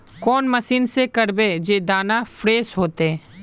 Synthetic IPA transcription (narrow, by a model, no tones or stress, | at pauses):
kɔːnmɐsiːnsekɐɾbed͡ʒeːd̪aːnafɾeːsɦoːt̪eɛː